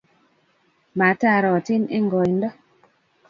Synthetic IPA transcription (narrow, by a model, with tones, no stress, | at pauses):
ma˨˦ta˦˨ɾɔ˨ti˦ne˦ŋɡɔ˨jn˦dɔ˦